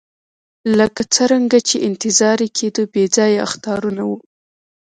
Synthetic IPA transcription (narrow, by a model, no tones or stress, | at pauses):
ləkat͡səɾaŋɡat͡ʃeʔɪnt̪ɪzɑɾekʰed̪obed͡zɑjaa̰xt̪ɑɾunawu